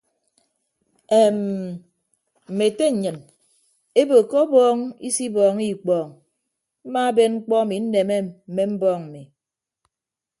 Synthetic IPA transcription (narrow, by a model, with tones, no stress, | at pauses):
e˨m | m̩˨me˨te˦ɲ̩˨ɲɨ˨n | e˦bo˨kɔ˦bɔː˦ŋḭ˦si˦bɔː˨ŋi˦˨k͡pɔː˨ŋ | m̩˦ma˦be˦nŋ͡m̩˦k͡pɔ˦a˦mi˨˦n̩˦ne˨me˦m̩˨me˦m̩˦bɔː˦˨ŋm̩˨mi˨